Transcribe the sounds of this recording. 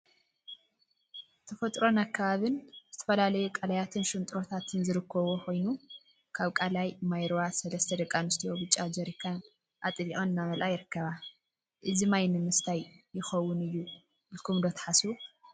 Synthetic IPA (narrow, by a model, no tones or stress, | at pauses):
t̪ʰɐfɐt̪ʼɾo̞nakʰːaβaβɨnzɨt̪ʰɐ̥fɐlalɐjukʼɐlɐjat̪ʰɨnʃɨnt̪ʼɾo̞t̪ʰat̪ʰɨnzɨɾɨkʰːɐβoxʰo̞jnu | kʰaβkʼalajmajɾowasɐlɐst̪ʰɐd̪ɐkʼːanɨst̪ʰijo̞bɨt͡ʃʼːad͡ʒɐɾikʰan | ʔat̪ʼɨliʔʼonɨnːamɐlʔajɪɾɨkːɐβa | ʔɨzimajnɨmɨst̪ʰajːɪxɐwːʊnɨjːu | bɨlkʰumd̪ot̪ʰɐ̥ħasu